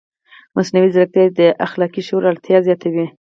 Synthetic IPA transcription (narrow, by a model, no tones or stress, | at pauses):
mʔasnawizɾək̚t̪jɑd̪əʔaxlɑkiʃoɾalt̪jɑzjɑt̪ʰawi